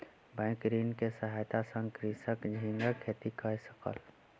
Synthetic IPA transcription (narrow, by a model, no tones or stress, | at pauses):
bə̃ɪ̃kɾinkesəɦajt̪asə̃ŋkɾisəkd͡ʒʱĩŋɡəkʰet̪ikʰəjsəkə̰l